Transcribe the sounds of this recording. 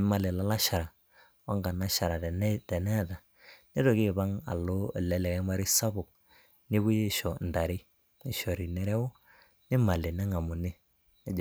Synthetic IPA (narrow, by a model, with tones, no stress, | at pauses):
ma˨lɪ˨la˦la˦ʃa˨ɾa˨ | wa˦ŋɡa˨na˦ʃa˨ɾa˨˦tɛ˨nɛ˦˨da˨ | nɪ˦ɾɔ˨kɪ˦˨ba˦ŋa̰˨lo˦˨lɛ˨˦lɛ˨kɛ˦ma˦ɾi˦sa˦bʊ˨k̚ | nɪ˦bu˦je˦˨ʃɔ˨nda˨ɾi˦ | ɪ˨ʃɔ˨ɾi˨nɛ˦ɾɛ˦wʊ˦ | nɪ˦ma˨lɪ˨nɛ˦ŋa˨mʊ˨nɪ˦ | nɛ˦d͡ʒ